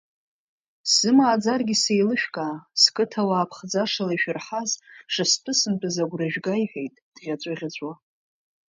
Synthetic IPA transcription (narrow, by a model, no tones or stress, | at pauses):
sɨmaːd͡zarɡʲisejlɨʃᶣkʼaːskʼɨtʰawaːpʰχd͡zaʂalaiʃᶣɪrħazʂɨspʰɨsɨmtʼɨzaɡʷraʒᶣɡajħejtʼd̥ʁʲat͡ɕʷʼaʁʲat͡ɕʷʼwa